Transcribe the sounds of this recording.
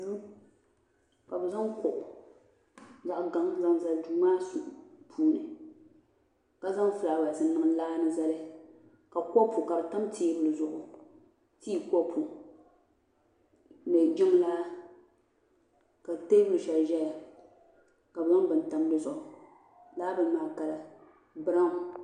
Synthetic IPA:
u˦ | ka˨bɛ˨za˦ŋkʊ˨ʔʊ˨ | za˨ʔɡa˦ŋza˦ŋza˨lduː˨˦maː˦su˨ʔpʰuː˦nɨ˨ | ka˦za˦ŋfɨ˨laː˨ba˨sɨ˨n˦nɨ˨ŋ˦laː˦nɨ˦za˦lɨ˦ | ka˨kɔ˦pʰu˨ka˨bɨ˨ta˦mtʰiː˦bɨ˦lɨ˨zʊ˨ʔʊ˨ | tiː˦kɔ˦pʰu˨ | nɛ˨d͡ʒɪ˦m˦la˦ | ka˨te˦bɨ˦lɨ˨ʃa˨lʒɛ˦ja˨ | ka˨bza˦ŋ˦bɨ˨n˨ta˨m˦dɨ˦zʊ˨ʔʊ˨ | laː˦bɨ˨n˦maː˨ka˨la˨ | bɨ˦ɾa˦ŋ˨

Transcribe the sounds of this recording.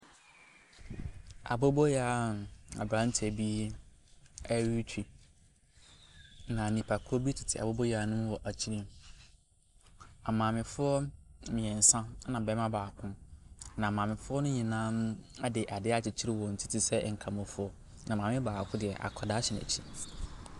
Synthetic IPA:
a̰˨bo˦bɔ˦ja˨˦˨a̰˨bɾã˨˦n˦tʰɪ˨æ˨bi˦ | ɛ˦ɥi˦t͡ɕʰᶣi˨ | nã˨nĩ˨pʰa˨kʰo˦bi˦tʰɪ̥˨tʰɪ˨a̰˨bo˦bo˦ja˨˦nʊ̃˦wɔ˨ʔa˨t͡ɕʰi˦ɾi˦m˨ | a˨mãː˨mɪ̃˨fʊ˦ɔ˦mɪ̃˨ɛ̃˨n̩˨sã˦nã˨bɛ˦mã˦baː˨kʰʊ̃˦nã˨mãː˨mɪ̃˨fʊ˦ɔ˦nʊ̃˦ɲĩ˨nãː˦na˦dɪ˨ʔa˨dɪ˦a˦t͡ɕʰɪ˨t͡ɕʰi˦ɾɪ˦wɔ˨n̩˨tʰi˦tʰɪ˦sɛ˦˨ŋ̩˨kʰã˨mɔ̃˨fʊ˦ɔ˦ | nã˨mãː˨mɪ̃˦baː˨kʰʊ̃˦dɪ˨ɛ˨ʔa̰˨kʰɔ˨da˦ɕɛ˨næ̰˨t͡ɕʰi˦

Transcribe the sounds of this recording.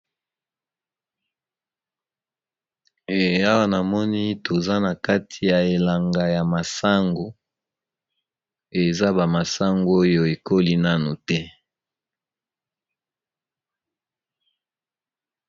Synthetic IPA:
a˦wa˦na˨mɔ˦ni˦tʰo˨za˦na˨ka˦tʰi˨ja˨e˨la˨ŋɡa˨ja˨ma˨sa˦ŋɡo˨ | e˨za˦ba˨ma˨sa˦ŋɡo˦o˦jo˦e˨ko˦li˦na˦nu˨tɛ˦

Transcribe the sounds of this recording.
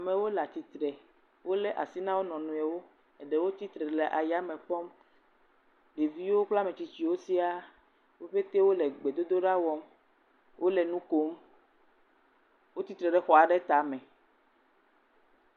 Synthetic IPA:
a˨mẽ˨wo˦la˨t̪i˨t̪ɾɛ˨ | wo˦le˦ʔa̰˨si˦nã˦wo˦nɔ̃˨nũ˨e˨wo˦ | e˨ɖe˦wo˦t̪i˦t̪ɾɛ˨le˨ʔa˨ja˦mẽ˨k͡pɔ˦m | ɖe˨vi˦wo˦k͡pla˦mẽ˨t͡ɕi˨t͡ɕi˨˦wo˦si˦a˦ | wo˦ɸe˦t̪e˦wo˦le˨ɡ͡be˨d̪o˦d̪o˦ɖa˦wɔ˦m | wʔo˦le˨nũ˦ko˦m | wo˦t̪i˦t̪ɾɛ˨ɖɛ˨xɔ˨a˨ɖɛ˦t̪a˨mɛ̃˨

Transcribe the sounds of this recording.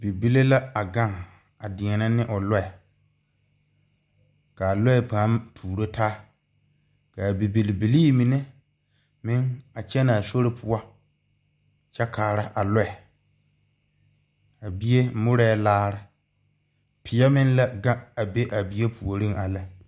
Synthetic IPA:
bi˨bi˦le˦la˦a˨ɡa˦ŋ | a˨dɪ˨ŋɛ˨na˦nɪ˦ʔʊ˨lɔ˦ɛ˨ | ka˨a˨lʊ˦ɛ˨pa˨˦mtʰuː˨ɾo˦taː˦ | ka˨bi˨bi˨lbi˨liː˦mi˨ne˦ | mɪ˦ŋa˨t͡ʃɛ˦na˨so˦ɾɪ˨pʰʊ˦a˦ | t͡ʃɛ˦kʰaː˨ɾa˦ʔa˨lʊ˦ɛ˨ | a˨bi˦e˦mʊ˦ɾɛ˦laː˦ɾɪ˦ | pʰɪ˨ɛ˦mɪ˦n˦la˦ɡa˦a˨be˦ʔa˨bi˦je˦pʰu˨o˨ɾi˦ŋa˨la˨

